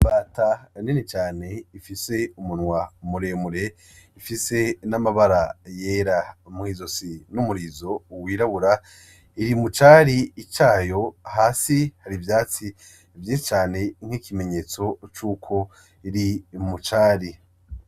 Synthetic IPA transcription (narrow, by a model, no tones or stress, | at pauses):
baːtaninet͡ʃaːne̞ifise̞umunŋwamuɾemuɾe | ifise̞namaβaɾajeːɾamŋiːzo̞sinumuɾizo̞wiːɾaβuɾa | iɾimut͡ʃaːɾiːt͡ʃaːjo̞haːsihaɾivjaːt͡si | vjiːʃit͡ʃaːne̞ŋ̥hiːkʰime̞ɲe̞ːt͡so̞t͡ʃuːkʰo̞ | iɾimut͡ʃaːɾi